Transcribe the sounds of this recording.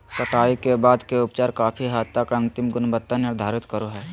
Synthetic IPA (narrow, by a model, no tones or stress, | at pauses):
səʈaːikebaːd̪keʊpt͡ʃaːɾkaːpʰiɦaːt̪ːəkɐ̃nt̪ɪmɡʊnbət̪ːənːɪɾd̪ʱaːɾɪt̪kəɾoɦɛː